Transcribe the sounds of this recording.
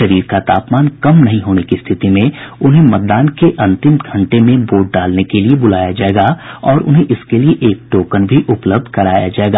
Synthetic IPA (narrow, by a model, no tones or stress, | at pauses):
ʃɐɾiːɾkat̪a̰ːpmaːnkɐmnɐɦĩɦoːnekist̪ʰɪt̪imẽʊnɦẽmɐt̪̚d̪aːnkeʔɐ̃nt̪ɪmɡʱɐ̃ɳʈemẽboːʈ̚ɖaːlnekeliebʊlaːjad͡ʒaːeɡaɔːɾʔʊ̰nɦẽʔɪskelieʔeːk̚ʈoːkənbʱiʔʊpləb̚d̪ʱkɐɾaːja̰d͡ʒaːeɡaː